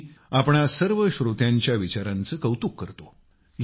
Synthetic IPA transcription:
apɳ̃asəɾʋəɕɾot̪jaɲt͡ɕjaʋit͡ɕaɾãnt͡səːkəwt̪ukːəɾt̪o | j

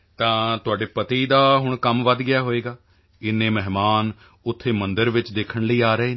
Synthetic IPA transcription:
t̪ãːt̪ʊaːɖeːpət̪iːd̪aːɦʊɳ̃kəmʋəd̪ɡɪjaːɦoːeːɡaː | ɪnːẽːmɛɦmaːn | ʊt̪ʰːeːmənd̪əɾʋɪt͡ʃd̪eːkʰəɳləiːaːɾəeː

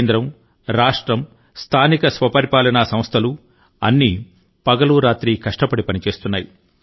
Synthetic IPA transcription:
nd̪ɾɐm | ɾaːʂʈɾɐm | st̪ʰaːnikɐsʋɐpɐɾipaːlɐnasɐmst̪ʰɐlu | ɐ̰nːi | pɐɡɐluɾaːt̪ɾiːkɐʂʈɐpɐɽipɐnit͡ʃe̞ːst̪unːaːji

